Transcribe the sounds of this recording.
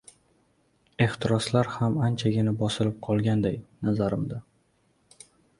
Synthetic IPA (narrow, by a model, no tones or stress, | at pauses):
e̞ht̪ʰɪɾɒslaɾhamant͡ʃʰaɡʲɪnɪbɒsɪlɪp̚qʰɒlˠɡʲand̪ajnazaɾɪmd̪a